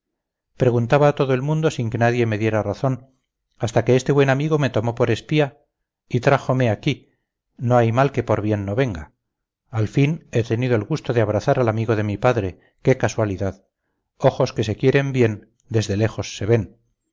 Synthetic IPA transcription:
pɾe̞ɣunt̪aβaːt̪o̞ðoelmũnd̪o̞siŋke̞naðje̞me̞ðje̞ɾaraθo̞n | ast̪ake̞est̪eβwe̞namiɣo̞me̞t̪o̞mo̞po̞ɾe̞spia | it̪ɾaxo̞me̞aki | no̞ajmalke̞po̞ɾβje̞nːo̞βe̞ŋɡaː | lfine̞t̪e̞niðo̞elɣust̪o̞ðeaβ̞ɾaθaɾalamiɣo̞ðe̞mipaðɾe̞ | ke̞kaswaliðað | o̞xo̞ske̞se̞kje̞ɾe̞mbje̞n | d̪e̞zðe̞le̞xo̞sːe̞βe̞n

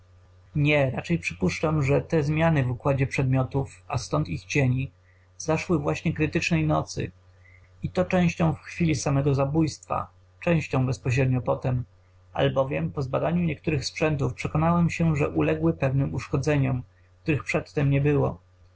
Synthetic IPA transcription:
ɲɛɾat͡ʂɛjpʂɘpuʂt͡ʂamʐɛt̪ɛzmʲjanɘvukwad͡ʑɛpʂɛd̪mʲjɔt̪ufa̰st̪ɔnt̪ixt͡ɕeɲi | zaʂwɘvwaɕɲɛkɾɘt̪ɘt͡ʂnɛjnɔt̪sɘ̰ | it̪ɔt͡ʂɛ̃w̃ɕt͡ɕɔ̃w̃fxfʲilʲisamɛɡɔzabujst̪fa̰ | t͡ʂɛ̃w̃ɕt͡ɕɔ̃w̃bɛspɔɕɾɛd̪ɲɔpɔt̪ɛm | a̰lbɔvʲjɛmpɔzbad̪aɲuɲɛk̚t̪uɾɘxspʂɛnt̪ufpʂɛkɔnawɛmɕɛʐɛʔulɛɡwɘpɛvnɘmuʂkɔd̪zɛɲɔm | k̚t̪uɾɘxpʂɛt̪ːɛmɲɛbɘwɔ̰

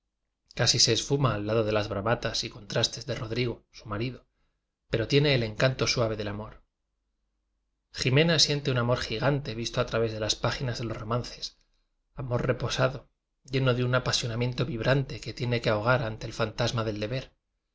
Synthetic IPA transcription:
kasise̞ːsfumaːlːaðo̞ðe̞lazβɾaβat̪asiko̞nt̪ɾast̪e̞zðe̞ro̞ðɾiɣosumaɾiðo̞ | pe̞ɾo̞t̪je̞ne̞ːle̞ŋkant̪o̞swaβ̞e̞ðe̞lamo̞ɾ | xime̞nasje̞nt̪e̞unamo̞ɾxiɣant̪eβist̪oat̪ɾaβe̞zðe̞laspaχinazðe̞lo̞zro̞manθe̞s | amo̞ɾre̞po̞saðo̞ | ʝe̞no̞ðeunapasjo̞namje̞nt̪o̞βiβɾant̪e̞ket̪je̞ne̞keaoɣ̞aɾant̪e̞ːlfant̪azmaðe̞ld̪e̞βe̞ɾ

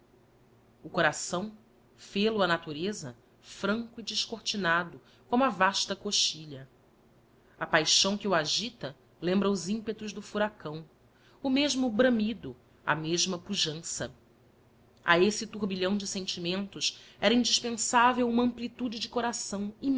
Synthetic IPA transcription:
ʊkoɾasɐ̃w̃ | felʊɐnat̪uɾezɐ | fɾɐ̃ŋkʊid͡ʒiʃkoht͡ʃinad̪ʊ | kõmʊɐvaʃt̪ɐkoʃt͡ʃiʎɐ | ɐpajʃɐ̃w̃kɪuaʒit̪ɐ | lẽmbɾɐʊzĩpet̪ʊʒd̪ʊfuɾakɐ̃w̃ | ʊmeʒmʊbɾɐ̃mid̪ʊ | ɐ̰meʒmɐpuʒɐ̃sɐ̰ | a̰esɪt̪uɦbiʎɐ̃w̃d͡ʒɪsẽnt͡ʃimẽnt̪ʊʃɛɾɐĩnd͡ʒiʃpẽsavewũmɐɐ̃mplit̪ud͡ʒɪd͡ʒɪkoɾasɐ̃w̃im

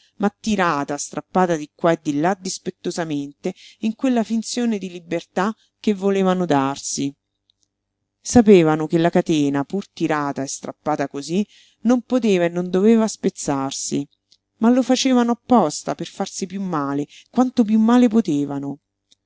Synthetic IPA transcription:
mat̪ːiɾaːt̪ast̪ɾʔapːaːt̪ad̪ikːwaed̪ːilːad̪ispet̪ːozament̪eiŋkwelːafint̪sjoːned̪ilibert̪a | k̟ːevːoleːvanod̪arsi | sapeːvanokelːakat̪eːnapurt̪iɾaːt̪aest̪ɾapːaːt̪akozi | nompot̪eːvaenːond̪oveːvaspet̪sːarsi | malːofat͡ʃeːvanoapːɔst̪aperfarsipjumːaːle | kwant̪op̬jumːaːlepot̪eːvano

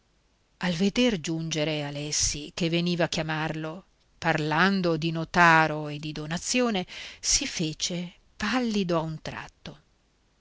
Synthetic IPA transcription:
alved̪erd͡ʒund͡ʒeɾealɛsːikevːeniːvaːkːjamarlo | parland̪od̪inot̪aːɾoed̪ːid̪onat̪sːjoːnesifeːt͡ʃe | palːid̪oaunt̪ɾa̰t̪ːo

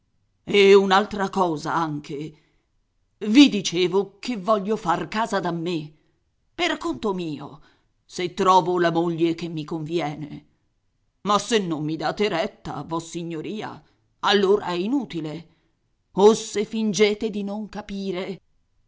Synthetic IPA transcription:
eunalt̪ɾakɔːza̰aŋkʰe | vid̪it͡ʃeːvokevːɔʎːofarkaːzad̪amːe | perkːont̪omiːo̰ | set̪ːɾɔːvolamoʎːekemːikoɱvjɛːne | masːenːomːid̪aːt̪eɾɛt̪ːa̰avɔsːiɲːoɾiːa̰ | alːoːɾa̰ɛinuːt̪ile | osefind͡ʒeːt̪ed̪inoŋkapiːɾe

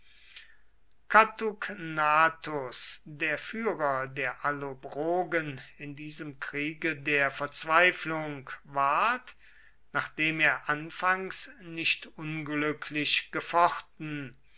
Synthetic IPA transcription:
katuknaːtʊsdeːɐfyːʁɐdeːɐʔalobʁoːɡənɪndiːzəmkʁ̥iːɡədeːɐfɛɐt͡sv̥aɪflʊŋkvaɐt | naːχd̥eːmeːɐʔanfaŋsnɪʃtʊnɡlʏkʰlɪʃɡ̥əfɔχtn̩

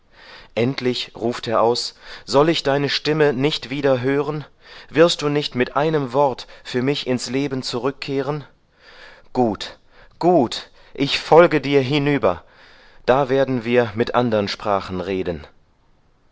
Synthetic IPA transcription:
ʔɛntʰlɪçʁuːfteːɐʔaʊsz̥ɔlɪçd̥aɪnəʃtɪmənɪçtv̥iːdɐɦøːʁən | vɪɐst̚d̥uːnɪçtmɪtʔaɪnəmvɔɐtfyːɐmɪçɪnsleːbn̩t͡suʁʏkʰːeːʁən | ɡ̥uːt | ɡ̥uːt | ʔɪçfɔlɡədiːɐɦɪnyːbɐ | d̥aːveːɐdn̩viːɐmɪtʔandəʁənʃpʁ̥aːχn̩ʁeːdən

